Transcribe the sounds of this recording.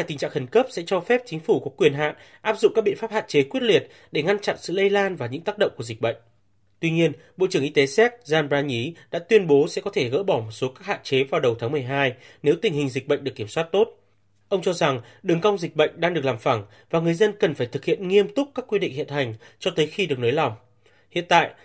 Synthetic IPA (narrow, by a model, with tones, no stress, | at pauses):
aː˧jt̪ï˨˩ŋ̟t͡ɕa̰ː˧˨ŋxə˨˩nkə˦˥p̚sɛ̰˧˥t͡ɕɔ˧fɛ˦˥p̚t͡ɕï˨˦ŋ̟fu˧˩kɔ˨˦kwi˨˩ənɦa̰ː˧˨n | ʔaː˦˥p̚zʊ̰˧˨ŋ͡mkaː˦˥ɓḭ˧˨ə˨nfaː˦˥p̚ha̰ː˧˨t͡ɕe˨˦kwi˦˥ət̚li˨˩ət̚ | ɗe˧˩ŋa˧nt͡ɕa̰˧˨nsɨ̰˧˨lə˧jlaː˧nvaː˨˩ɲɨ̰˧˥ŋt̪aː˦˥k̚ɗə̰˧˨wŋ͡mku˧˩zi̟˨˩ɓə̰˧˨jŋ̟ | t̪wi˧ɲi˧ən | ɓo̰˧˨t͡ɕɨ˧˩əŋʔi˧t̪e˨˦sɛ˦˥t̚zaː˧nbaː˧ɲi˨˦ɗa̰ː˧˥t̪wi˧ənɓo˨˦sɛ̰˧˥kɔ˨˦t̪ʰe˧˩ɣə̰ː˧˥ɓɔ˧˩mo˨˩t̚so˨˦kaː˦˥k̚ha̰ː˧˨nt͡ɕe˨˦vaː˨˩wɗə˨˩wt̪ʰaː˨˦ŋmɨ˨˩əjɦaː˧jne˨˦wt̪ï˨˩ŋ̟hï˨˩ŋ̟zï˨˩k̚ɓə̰˧˨ŋɗɨ˨˩əkːi˧˩əmswaː˦˥t̚t̪o˦˥t̚ | ʔə˧wŋ͡mt͡ɕɔ˧za˨˩ŋ | ɗɨ˨˩ŋka˧wŋ͡mzï˨˩k̟̚ɓə̰˧˨jŋ̟ɗaː˧ŋɗɨ˨˩əklaː˨˩mfa˧˩ŋ | vaː˨˩ŋɨ˨˩əjzə˧nkə˨˩nfaː˧˩jt̪ɨ˨˩k̚hḭ˧˨ənŋi˧əmt̪ʊ˦˥k͡p̚kaː˦˥kːwi˧ɗḭ˧˨hḭ˧˨ənt̪a˨˩jŋ̟t͡ɕɔ˧t̪əː˨˦jxi˧ɗək̚noː˨˦jla˨˩wŋ͡m | hḭ˧˨ənt̪a̰ː˧˨j